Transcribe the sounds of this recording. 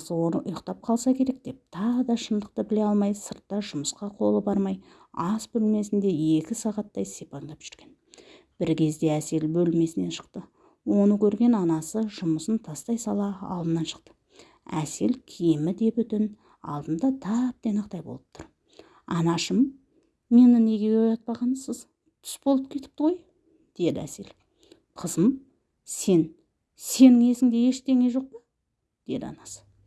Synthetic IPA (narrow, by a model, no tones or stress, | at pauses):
səwo̞nəʔʊjəqt̪ɑp̚qʰɑlˠsɑkʲʰe̞ɾe̞k̚d̪̥e̞p̚t̪ʰɑʁəd̪ɑʃənd̪əq̚t̪əbɪle̞ɑlˠmɑjsəɾt̪ːɑʒʊməsqɑqʰo̞lˠəbɑɾmɑj | ɑsbɵlme̞sɪnd̪e̞ekʲɪsɑʁɑt̪ːɑjsepɑŋd̪ɑpʒ̥ʏ̥ɾɡʲe̞n | b̥ɪɾkʲʰe̞zd̪e̞æse̞lbɵlme̞sɪne̞ʃə̥qt̪ə | wo̞nəkʲʰɵɾɡʲe̞nɑnɑsəʒʊməsənt̪ʰɑst̪ɑjsɑlˠɑɑ̰lˠd̪ənɑnʃə̥q̚t̪ə̥ | æ̰se̞lkʲʰejɪmɪd̪e̞pʏt̪ɪn | ɑ̰lˠd̪ənd̪ɑt̪ʰɑp̚d̪e̞nɑqt̪ɑjbo̞lˠəp̚t̪ʰʊɾ | ɑnɑʃəmː | e̞nɪne̞ɡʲe̞ɡʲojɑt̪̚pɑʁɑnəsəz | t̪ʰʏ̥sbo̞lˠəp̚kʲʰe̞t̪ɪ̥p̚t̪əʁo̞j | d̪̥e̞d̪ɪæ̰se̞̰l | qʰəzəm | se̞n | se̞nɪŋe̞sɪmd̪e̞je̞ʃd̪e̞ŋe̞ʒo̞q̚pɑ | d̪̥e̞d̪ɪɑ̰nɑsə̥